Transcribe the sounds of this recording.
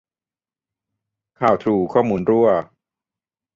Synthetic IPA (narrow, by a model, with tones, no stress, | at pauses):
kʰaː˨˩wt̪ʰɾuː˧˩kʰɔː˥˩muː˧nɾu˥˩ɐ